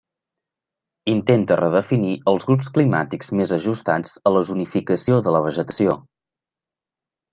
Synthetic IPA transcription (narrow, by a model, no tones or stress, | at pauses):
int̪ent̪ərəðəfiniʔəlˠzɣɾupsklima̰t̪ikzmezəʒust̪ad͡zələzunifikəsioðələβ̞əʒət̪əsio